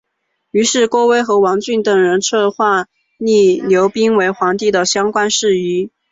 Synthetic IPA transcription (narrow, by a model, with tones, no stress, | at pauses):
y˧˥ʂɻ̩˥˩ko˥we˥ɪxɤ˧˥wɑ˧˥ŋt͡ɕy˥˩nt̪ɤ˨˩ŋɻə˧˥nʈ͡ʂʰɤ˥˧xwa˥˧ | ni˥˩ljo˧˥ʊpi˥ŋwe˧˥ɪxwɑ˧˥ŋt̪i˥˩d̪ə˩ɕjɑ˥ŋkwa˥nʂɻ̩˥˩y˧˥